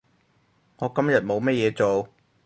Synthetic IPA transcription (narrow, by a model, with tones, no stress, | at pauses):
ŋɔː˨˧kɐ˥mjɐ˨t̚mo˨˧wmɛ˥t̚jɛː˨˧t͡so˨w